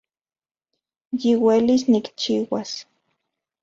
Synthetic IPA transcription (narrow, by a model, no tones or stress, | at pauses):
jiwelisnikt͡ʃiːwas